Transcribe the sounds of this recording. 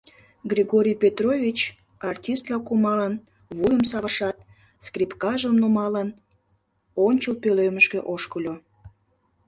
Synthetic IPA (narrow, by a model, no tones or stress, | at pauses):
ɡrʲiɣoɾʲijpʲet̪rovʲit͡ɕ | ɑrtʲist̪lɑkumɑlən | βujəmsɑβəʃɑt̪̚ | skripkɑʒəmnumɑlən | onʲt͡ɕəlpøløməʃkøʔoʃkəlʲo